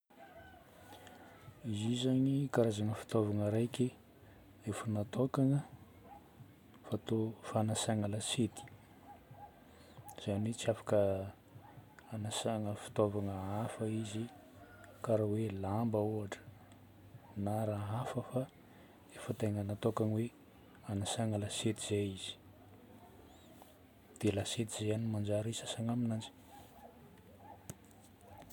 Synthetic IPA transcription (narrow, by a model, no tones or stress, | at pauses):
izizaɲikaɾazaŋəfi̥t̪ovaŋəɾajkʲi | efənat̪okaŋə | fat̪ofanasaŋəlaset̪i̥ | z̥anit͡siafḁkə | anasaŋəfi̥t̪ovaŋəafəizi | kaɾawelambəuaʈ͡ʂə̥ | naɾaɦafəfa | efət̪eŋənat̪okanwe | anasaŋəlaset̪iz̥eiz̥i̥ | d̪̥elaset̪izeanimand͡ʒaɾisasaŋaminand͡ʒi̥